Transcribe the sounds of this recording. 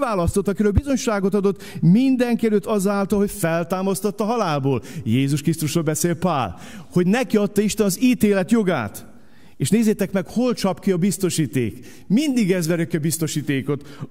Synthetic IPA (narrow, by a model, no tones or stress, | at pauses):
aːlɒst̪ot̪ːɒkiɾøːlbizo̞ɲʃaːɡo̞t̪ɒd̪o̞t̪ːmind̪ɛŋkiɛløːt̪ːɒzaːlt̪ɒlhocfɛlt̪aːmɒst̪ot̪ːɒɦɒlaːlboːljeːzuʃkrist̪uʃrolbɛseːlpa̰ːl | ho̞ɟnɛkiɒt̪ːɒiʃt̪ɛnɒziːt̪eːlɛt̪jo̞ɡa̰ːt̪ | eːʃneːzeːt̪ɛkmɛkholt͡ʃɒpkiɒbist̪o̞ʃiːt̪ḛːk | mind̪iɡɛzʋɛɾøkːɛbist̪o̞ʃiːt̪eːko̞t̪